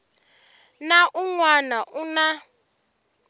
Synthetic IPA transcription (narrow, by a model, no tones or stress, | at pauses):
naʔuŋwanaʔuna